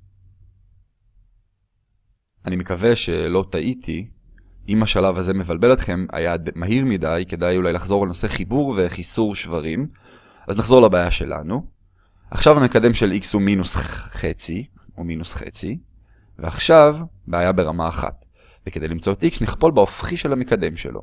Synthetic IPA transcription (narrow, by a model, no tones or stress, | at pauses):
ʔanimekave̞ʃe̞lo̞t̪aʔit̪ʰi | imaʃalavaze̞mevalbelet̪χe̞ma̰jadmaɦiʁmidajke̞d̪ajulajlaχzo̞ʁalnose̞χibuʁve̞χisuʁʃvaʁim | ʔaznaχzo̞ʁlabaːjaʃe̞̰la̰nu | aχʃavamekad̪e̞mʃelikshuminusχet͡si | uminusχe̞̰t͡si | veaχʃav | beːjabe̞ʁamaːχa̰t̪ | veked̪e̞jlimt͡so̞et̪iksniχpo̞lbaofχiʃelhamekad̪e̞mʃe̞̰lʔo̰